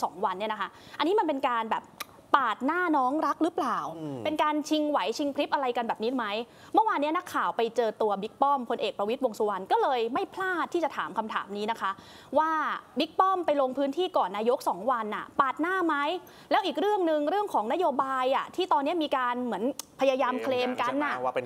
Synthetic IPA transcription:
sɔ̰ː˩˦ŋwa˧nːi˥˩ɐna˦kʰa˦˥ | ʔa˧nːiː˦˥ma˧npe˧nkaː˧nbɛ̰ː˨˩p̚ | paː˨˩t̪̚naː˥˩nɔː˦˥ŋɾa˦˥k̚ɾɯ˦˥plaː˨˩wpe˧nkaː˧nt͡ɕʰi˧ŋwa˩˦jt͡ɕʰi˧ŋpʰɾi˦˥p̚ʔa˧ɾa˧jka˧nbɛː˨˩p̚niː˦˥ma˦˥j | mɯ˥˩waː˧ni˦˥ɐna˦˥kʰːaː˨˩wpa˧jt͡ɕɤː˧t̪u˧ɐbi˦˥k̚pɔ˥˩mpʰo˧nʔeː˨˩k̚pɾa˧wi˦˥t̪̚wo˧ŋsu˧wa˧nkɔː˥˩lɤː˧jma˥˩jpʰlaː˥˩t̪ʰːiː˥˩t͡ɕa˨˩t̪ʰa̰ː˩˦mkʰa˧mt̪ʰa̰ː˩˦mniː˦˥na˦˥kʰa˦˥ | waː˥˩bi˦˥k̚pɔ˥˩mpa˧jlo˧ŋpʰɯː˦˥nt̪ʰiː˥˩kɔː˨˩nːaː˧jo˦˥k̚sɔː˩˦ŋwa˧nʔa̰˨˩paː˨˩t̪̚naː˥˩ma˦˥j | lɛː˦˥wʔiː˨˩k̚ɾɯ˥˩əŋnɯ˧ŋɾɯ˥˩əŋkʰɔː˩˦ŋna˦˥joː˧baː˧jʔa˨˩t̪ʰiː˥˩t̪ɔː˧nːi˦˥ɐmiː˧kaː˧nmɯ˩˦ənpʰa˧jaː˧jaː˧mkʰleː˧mka˧nʔa˨˩˧

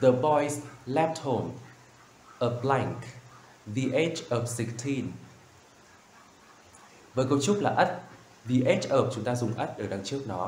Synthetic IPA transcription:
ðə˨˩bɔ˧jslɛ˦˥p̚t̚ho˧˩m | ʔəː˧˩plɛ˧ŋk | vi˧˩ʔe˦˥t͡ɕʔɔ˨˩f̚si˨˩k̚t̪ʰi˧n | vəː˨˦jkə˧wt͡ɕʊ˦˥k͡p̚laː˨˩ʔə˦˥t̚ | vi˨˩ʔe˦˥t͡ɕʔəː˨˩p̚t͡ɕʊ˨˦ŋ͡mt̪aː˧zʊ˨˩ŋ͡mʔə˦˥t̚ʔəː˧˩ɗa˨˧ŋt͡ɕɨ˦˥ək̚nɔ˨˦

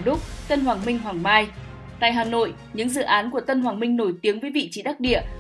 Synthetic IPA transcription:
ɗʊ˦˥k͡p̚t̪ə˧nɦwaː˨˩ŋmï˧ŋ̟ɦwaː˨˩ŋmaː˧j | t̪a̰ː˧˨jɦaː˨˩no̰˧˨j | ɲɨ̰˧˥ŋzɨ̰˧˨ʔaː˨˦nku˧˩ət̪ə˧nɦwaː˨˩ŋmï˧ŋno˧˩jt̪i˨˦əŋvəː˨˦jvḭ˧˨t͡ɕi˨˦ɗaː˦˥k̚ɗḭ˧˨ə

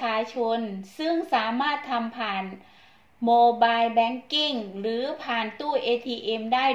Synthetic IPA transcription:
aː˧t͡ɕʰo˧nsɯ˥˩ŋsaː˩˦maː˥˩t̪ʰːa˧mpʰaː˨˩n | moː˧baː˧jbɛː˧˥ŋki˥˩ŋɾɯː˩˦pʰaː˨˩nt̪uː˥˩ʔeː˧t̪ʰiː˧ʔe˧mdaː˥˩j

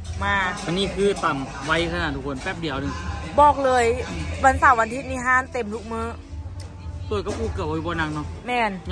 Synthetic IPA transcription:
maː˧ʔa˧niː˧˥˨kʰɯː˧˥˩t̪a˨˩ŋ | wa˧˥jkʰa˧naː˨˩t̪ʰuː˧˩kʰo˧˦npɛː˧˩p̚di˨˦wnɯ˧ŋbɔː˨˩k̚lɤː˧jwa˧˥nsaː˨˧˩wa˧nt̪ʰi˧t̪̚niː˧˩ɦaː˧˥˨nt̪e˨˩mt̪ʰu˦˥k̚mɯː˧˥˨ | su˧˩˨jka˧puː˧˩kɯ˧˨˩p̚i˧˩bɔː˧na˧˩k̚nɔ˧˥ʔmɛː˧˩˨n

